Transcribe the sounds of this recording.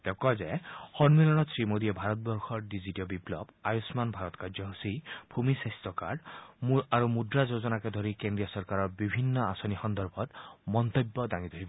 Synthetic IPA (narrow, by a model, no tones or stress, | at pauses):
t̪ekɔzehɔnmilɔnɔsɹimod̪iebʱaɾɔt̪̚bɔɾxɔɾɖiziʈiɔbiplɔ̰bajusmanbʱaɾɔt̪kaɾzɔɦusibʱumisest̪ɔka̰ɾɖmuaɾumud̪ɾazozɔnaked̪ʱɔɾikend̪ɾijɔsɔɾkaɾɔɹbibʱinːɔasɔnixɔnd̪ɔɾbʱɔt̪mɔnt̪obːɔd̪aŋit̪ʰoɦibɔ